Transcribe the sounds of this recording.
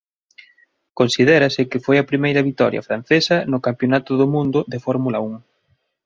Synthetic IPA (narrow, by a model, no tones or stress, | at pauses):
konsið̞ɛɾɐsɪkɪfojɐpɾimejɾɐβit̪ɔɾjɐ̰fɾan̟θesɐnʊkampjonat̪ʊðʊmũnd̪ʊðefɔɾmulɐuŋ